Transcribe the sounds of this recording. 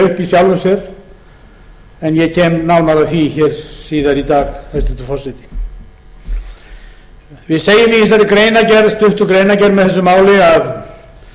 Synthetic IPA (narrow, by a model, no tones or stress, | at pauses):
ʏhpisjawlvʏmsjɛɾ | ɛnjɛcʰɛːmnawnaɾaθiçɛːɾ̥siːðaɾit̪aːɣhɛst̪ɪt̪ʰufɔsat̪ɪ̥ | vɪðseːjʏmɪɛns̬aɾɪkɾeːjnacɛɾðst̪ʏht̪ʏkɾejnacɛɾnmɛðθɛsːʏmaːwlɪað